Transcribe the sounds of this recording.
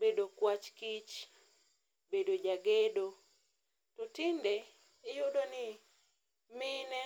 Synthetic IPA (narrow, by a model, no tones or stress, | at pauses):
bedokwat͡ʃkit͡ʃ | bedod͡ʒaɡedo | totinde | ɪjudonɪ | mɪnɛ